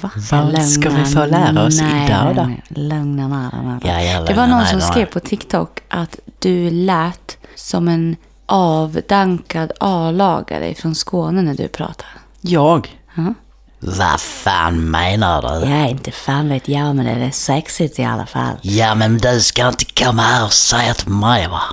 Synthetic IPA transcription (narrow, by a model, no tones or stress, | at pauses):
vavalɵŋaɪoːlæːɾaɔsnɛɪdlœŋnanaɾa̰naɛvaɳɔnsɔmskɾeːvpʰɔt̪ʰɪkt̪ʰɔkːʔat̪d̪̥ɵlɛːt̪sɔmɛn | ʔɑːvd̪aŋkad̪ʔɑːvlɑːɡa̰ɾɛ̰fɾɔnskoːnənæɖɵ̰pʰɾɑ̰ːt̪ʰḁ | jɑːɡ | ɑ | va̰fæ̰ːnmeɪna̰d̪ɵ̰jaɛɾɪnt̪əfæːnveːt̪jɑmɛnd̪ɛ̰d̪ɛsɛksɪt̪ɪa̰lːa̰fa̰lːjamɛnd̪ɵskaɪnt̪ə̥kʰɔmːahaɾɔsɛɪat̪maɪva